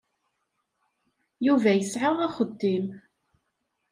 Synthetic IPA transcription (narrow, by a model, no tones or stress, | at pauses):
juvæjəsʕəʁæχəd̪ːim